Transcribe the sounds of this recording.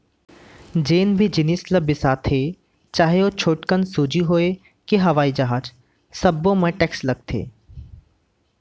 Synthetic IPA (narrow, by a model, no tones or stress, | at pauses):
d͡ʒeːnbʱid͡ʒɪniːsləbɪsaːt̪ʰeː | t͡ʃaːɦeoːt͡ʃʰoːʈkənsuːd͡ʒiɦoːe | kiɦɐʋaːid͡ʒaːɦat͡ʃ | sɐbːõmẽʈɛːkslɐɡ̚t̪ʰḛː